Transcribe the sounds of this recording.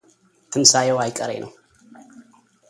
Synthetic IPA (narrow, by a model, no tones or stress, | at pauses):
t̪ʰɨmsajɛwajkʼəɾḛnʔəw